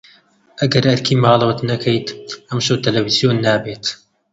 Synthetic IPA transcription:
ʔɐɡɐɾʔɐɾkʰiːmɑːlˠwɐt̪nɐkʰɐjt̪ʔɐmʃoːt̪ɐlɐvizijoːnːaːbeːt̪

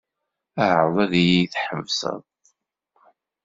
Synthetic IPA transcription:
æhɾˤðˤæðijijθħəvsə̰ðˤ

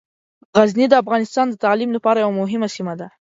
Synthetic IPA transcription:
ɣaznid̪əafɣɑnɪst̪ɑnd̪ət̪ɑlimlapɑɾajawamʊɦɪmasimad̪a

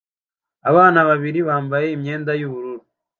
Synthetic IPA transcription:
aβaːnaβaβiɾiβaːmbaje̞imɲe̞ːndajuβuɾuɾu

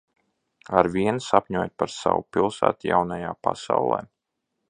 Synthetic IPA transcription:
aɾvʲiɛnsapʲɲuɔːjt̪̚paɾsa̰wupilˠsæːt̪ja̰wnajaːpasawlˠɛ̰ː

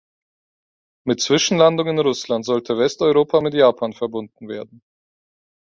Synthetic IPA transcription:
mɪtt͡sv̥ɪʃn̩landʊŋɪnʁʊslantz̥ɔltʰəvɛstɔʏʁoːpʰamɪtjaːpʰaːnfɛɐbʊndn̩veːɐdn̩

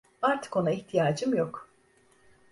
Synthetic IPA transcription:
aɾt̪ʰɯ̥ko̞naiçt̪ʰijaːd͡ʒɯmjok

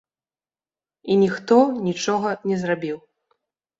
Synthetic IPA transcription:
inʲixt̪ɔnʲit͡ʂɔɣɐnʲɛzrabʲiw

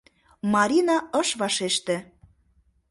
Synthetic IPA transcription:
mɑɾʲinɑɤʃβɑʃeʃt̪ĕ

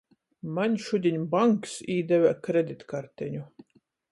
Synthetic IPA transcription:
manʲʃud̪ʲiɲʲbaŋksiːd̪ɛvʲækɾed̪ʲit̪kaɾt̪ɛɲʲu

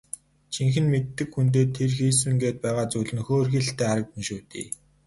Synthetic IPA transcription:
t͡ɕʰiŋxɘ̆nmet̪ːɘ̆kxunt̪̬eːt̪ʰːerxiːs̬ɘ̆ŋɡeːt̪̚pæːʁaːt͡sujɮɘ̆nxoːrxiːɬt̪eːaɾə̆k̚p̪ĭnʃuːt̪ḭː

